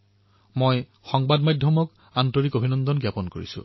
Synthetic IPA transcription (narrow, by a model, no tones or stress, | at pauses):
moj | xɔŋbadmajdʱjɔmɔk | antoɹikobʱinɔndɔnɡjapɔnkoɹḭsʊ̰̃